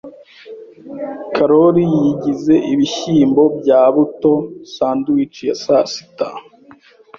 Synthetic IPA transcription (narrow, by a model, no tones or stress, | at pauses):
kʰaɾoɾijiɟize̞ʔiβiçiːmbo̞bɟaːβuto̞saːnduwit͡ʃijesasi̥ta